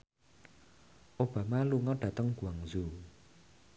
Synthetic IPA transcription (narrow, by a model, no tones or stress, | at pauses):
ʔob̥amaluŋɔɖat̪aŋɡwaŋzu